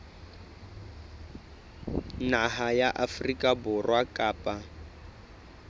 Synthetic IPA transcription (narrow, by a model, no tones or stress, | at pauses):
naɦajaʔafrikʼabʊrwakʼaːpʼa